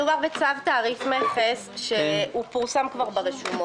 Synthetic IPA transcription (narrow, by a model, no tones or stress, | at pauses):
umaʁvet͡savtaːʁifmeχesʃeupuʁsamkvaʁbeʁeʃumo